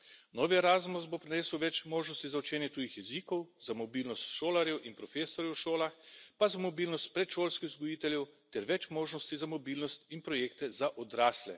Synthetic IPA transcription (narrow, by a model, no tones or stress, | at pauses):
nɔːʋiɛɾaːzmusbopɾɛnɛːsəwʋɛt͡ʃmoːʒnɔst̪izaɔt͡ʃɛːnjɛt̪uːjixjɛzikɔwzamɔbiːlnɔst̪ʃoːlaɾjɛwʔinpɾɔfeːsɔɾjɛwʃoːlaxpazamɔbiːlnɔst̪̚pɾɛt̪ʃoːlskixzɡɔjiːt̪ɛljɛwt̪ɛɾʋɛt͡ʃmoːʒnɔst̪izamɔbiːlnɔst̪inpɾɔjeːk̚t̪ɛzaʔɔd̪ɾaːslɛ̰